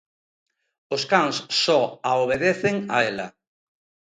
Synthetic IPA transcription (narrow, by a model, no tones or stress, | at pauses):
oskaŋsːɔaoβ̞eðeθeŋa̰ɛla̰